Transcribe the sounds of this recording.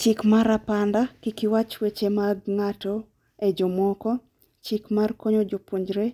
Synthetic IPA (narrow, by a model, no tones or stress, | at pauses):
t͡ʃɪkmaɾapandakikɪwat͡ʃwet͡ʃemaɡŋato | ed͡ʒomɔkɔ | t͡ʃikmarkoɲod͡ʒopuɲd͡ʒɾe